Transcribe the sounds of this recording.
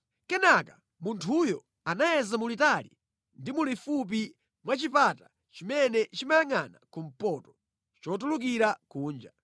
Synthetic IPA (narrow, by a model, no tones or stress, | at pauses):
kɛnakḁ | muntʰujɔ | anajɛzamulitalḭ | ndimulifup̬i | mwat͡ʃipata | t͡ʃimɛnɛt͡ʃimajaŋanakum̩pɔtɔ̥ | t͡ʃɔt̬uluk̬iɾakuːnd͡ʒa